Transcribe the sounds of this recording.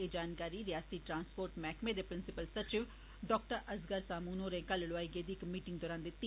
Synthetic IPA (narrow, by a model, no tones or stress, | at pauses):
ɪd͡ʒaːnkaːɾiːɾɪjaːst̪iːʈɾãːnspoːɾʈmɛːkʰmẽːd̪eːpɾɪnsɪpəlsət͡ʃɪʋ | ɖɔːkʈəɾʔəzɡəɾsaːmuːnoːɾẽːkəllʊaːiɡeːd̪iːɪkmiːʈɪ̃ŋɡ̚d̪ɔːɾãːnd̪eːt̪ː